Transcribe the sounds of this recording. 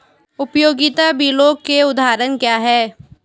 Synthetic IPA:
ʊpjoːɡɪt̪abʱiloːɡkeʊd̪ʱaːɾənkjaːɦɛː

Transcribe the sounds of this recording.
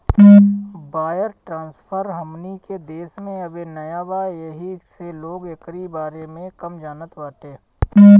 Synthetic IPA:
baːjəɾʈɾãːnspʰəɾɦəmniked̪eːsmẽɐbenɐjabaːjəɦiseloːɡekɾibaːɾemẽkəmd͡ʒaːnət̪ʋaːʈeː

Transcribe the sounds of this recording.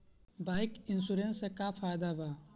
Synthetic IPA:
baːjkinsuɾensekafaːjd̪aba

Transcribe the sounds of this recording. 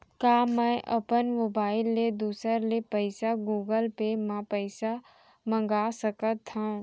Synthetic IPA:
kaːmɛ̃ʔəpənmobaːɪlːed̪uːsəɾlepəɪsaɡuːɡəlpemãpəɪsa | mə̃ŋɡaːsəkət̪hã

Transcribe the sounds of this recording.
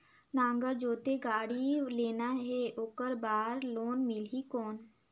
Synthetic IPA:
nãːŋɡəɾd͡ʒoːt̪eɡaːɽileːnaɦɛoːkəɾbaːɾloːnmɪlɦikɔːn

